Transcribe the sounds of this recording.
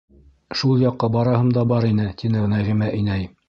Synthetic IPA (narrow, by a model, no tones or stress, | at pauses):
ʃulˠjɑqːɑbɑɾɑɦɤmd̪ɑbɑɾin̪ɘt̪inɘnæjʁimæʔĭnæj